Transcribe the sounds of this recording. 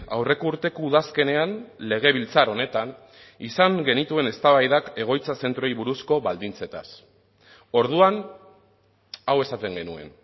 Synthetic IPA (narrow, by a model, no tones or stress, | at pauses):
a̰wre̞ko̞uɾt̪e̞kouðaske̞ne̞anle̞ɣ̞e̞β̞ilt͡saɾo̞ne̞t̪an | isaŋɡe̞nit̪ue̞ne̞st̪aβajðake̞ɣ̞o̞jt͡sase̞nt̪ɾojβuɾusko̞βald̪int͡se̞t̪a̰s | o̞ɾðuan | awe̞sat̪e̞ŋɡe̞nue̞̰n